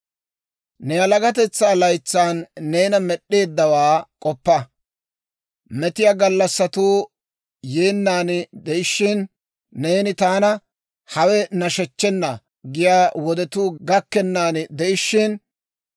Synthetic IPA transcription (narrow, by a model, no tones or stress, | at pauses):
nɛjɐlɐɡɐt̪̬ɛt͡sːaːlɐjt͡sːaːnːe̞ːnɐmɛɗːe̞ːd̪ːɐwaːkʼɔpːɐ | mɛt̪ɪjaːɡɐlːɐsːɐt̪uː | jeːnːaːnd̪ɛʔɪʃːɪnː | e̞ːnɪt̪aːnɐ | hɐwɛnɐʃɛt͡ʃːɛnːɐ | ɡɪjaːwɔd̪ɛt̪uːɡɐkːɛnːaːnd̪ɛʔɪʃːɪn